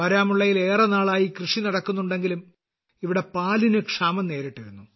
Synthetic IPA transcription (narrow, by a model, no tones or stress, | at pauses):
ʋɐɾaːmuɭːɐjile̞ːrɐnaːɭaːjikrɨʂinɐɽɐkːunːuɳɖe̞ŋɡilum | iʋiɽe̞paːlinɨkʂaːmɐmːe̞ːɾiʈːiɾunːu